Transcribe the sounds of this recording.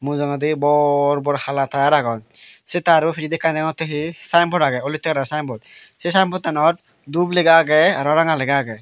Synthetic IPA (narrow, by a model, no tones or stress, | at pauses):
muzɔŋadibɔɹbɔɾxalatʰaaɾaɡɔn | setaɾɔpʰid͡ʒidikːandaŋɔteɦisajmpʰɔɾaɡɛolitːɛkɾasajmpʰɔt̚ | sesajmpʰɔt̚ːanɔt | dubleɡaɡɛaɾɔɾaŋalɛɡaɡɛ